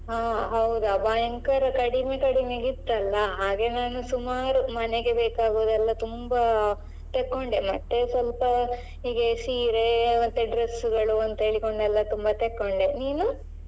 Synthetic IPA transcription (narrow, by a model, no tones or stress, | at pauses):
ɦaːɦɐwud̪uɐbaːjɐŋkɐɾɐkɐɽime̞kɐɽimeɡid̪ːɐlːɐɦaːɡe̞naːnusumaːɾumɐneɡe̞beːkaːɡoʋd̪ɛlːɐt̪umba | t̪ekːo̞ɳɖemɐt̪ːe̞sʋɐlpɐ | ɦiːɡɐsiːɾemɐt̪ːeɖɾesuɡɐɭuɐnt̪ɐɦeːɭiko̞ɳɖɛlːɐt̪umbat̪ekːo̞ɳɖeniːnu